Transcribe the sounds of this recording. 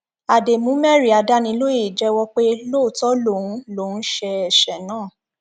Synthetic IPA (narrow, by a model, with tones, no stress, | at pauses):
a˨de˨mũ˨˦mɛ˦˨ɾi˨a˨da˦nĩ˧lo˦e˦˨d͡ʒɛ˦wɔ˦k͡pe˦lo˦˨tɔ˦lo˦˨ũ˨˦lo˦n̩˦ʃɛ˧ɛ˨ʃɛ˨nãː˦˨